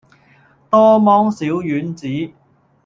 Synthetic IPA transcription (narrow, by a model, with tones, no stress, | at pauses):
t̪ɔː˥mɔː˥ŋsiː˨˥wjyː˨˥nt͡siː˨˥